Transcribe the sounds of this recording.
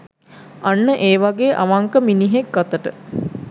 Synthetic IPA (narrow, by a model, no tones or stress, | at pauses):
anːəʔeːʋaɡeːʔaʋaŋkəminiɦekɡat̪əʈə